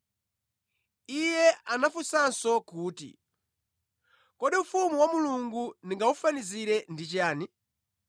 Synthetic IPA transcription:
ijɛʔanafusansɔkuːtḭ | kɔɗiufumuwamuluŋɡuniŋɡaufaniziɾɛndit͡ʃaːni

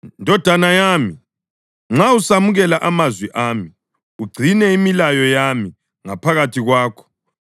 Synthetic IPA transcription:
ndʱɔd̥ʱanajaːmi | ŋ͡ǁausamuɣɛlaʔamazwiʔaːmi | uɡ͡ǀʱinɛimilajɔjami | ŋapʰaɣatʰiɣwaːkʰɔ̥

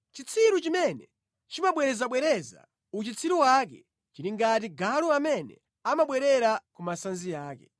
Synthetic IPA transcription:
t͡ʃit͡sʰiɾut͡ʃimɛnɛ | t͡ʃimaɓwɛɾɛzaɓwɛɾɛza̰ | ut͡ʃit͡sʰiɾuwak̬ɛ | t͡ʃiɾiŋɡatiɡaluamɛnɛ̰ | amaɓwɛɾɛɾakumasanzijaːkɛ̰

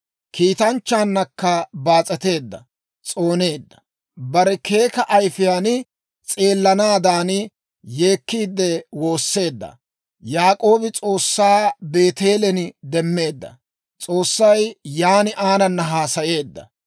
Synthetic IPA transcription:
kʰiːt̪ɐnt͡ʃːaːnːɐkːɐbaːt͡sʼɛt̪e̞ːd̪ːɐ̰ | t͡sʼo̞ːne̞ːd̪ːɐ̥ | bɐɾɛke̞ːkɐʔɐjfɪjaːn | t͡sʼeːlːɐnaːd̪aːn | je̞ːkːiːd̪ːɛwo̞ːsːe̞ːd̪ːɐ̰ | jaːkʼo̞ːbɪt͡sʼo̞ːsːaːbe̞ːt̪e̞ːlɛnɪd̪ɛmːe̞ːd̪ːɐ̰ | t͡sʼo̞ːsːɐjjaːnɪʔaːnɐnːɐɦaːsɐje̞ːd̪ːɐ̰

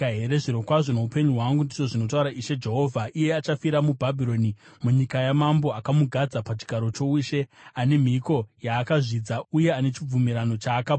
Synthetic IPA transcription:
ɦeɾeʐiɾo̞kwaʐo̞no̞upe̞ɲuɦwaŋɡundiʐo̞ʐino̞t̬auɾaʔiʃe̞d͡ʒe̞ɦo̞ːvʱaʔije̞at͡ʃafiɾamubʱabʱiɾo̞nimuɲikajamambo̞akamuɡʱad͡zapat͡ʃi̥ɡʱaɾo̞t͡ʃo̞uʃe̞ane̞m̤iko̞jaːkaʐid͡zauje̞ane̞t͡ʃib͡vumiɾano̞t͡ʃaːka

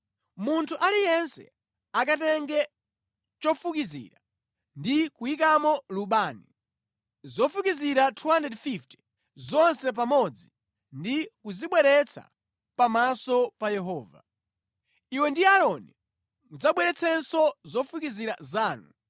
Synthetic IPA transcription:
muntʰuʔalijɛnsɛ̰ | ak̬atɛŋɡɛ | t͡ʃɔfukizḭɾa | ndikuik̬amɔluɓaːni | zɔfukiziɾatʰuwandɛdfiftɛ̥ | zɔnsɛp̬amɔd͡zi | ndikuziɓwɛɾɛt͡sʰa̰ | pamasɔpajɛɦɔːva̰ | iwɛndiaɾɔni | mud͡zaɓwɛɾɛt͡sʰɛnsɔzɔfukiziɾa̰zaːnu

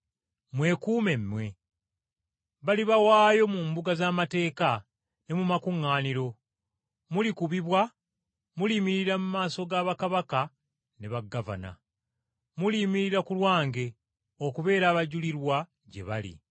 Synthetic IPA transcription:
mwe̞kuːme̞mːwe̞ | βaliβawaːjo̞muːmbuɡazaːmate̞ːka | ne̞mumakuŋːaːniɾo̞ | mulikuβiβwa | mulimiɾiɾamumaːso̞ɡaːβakaβaka | ne̞βaɡːava̰na̰ | mulimiɾiɾakulwaːŋɡe̞ | okuβe̞ːɾaːβaɟuliɾwa | ɟe̞̰βalḭ

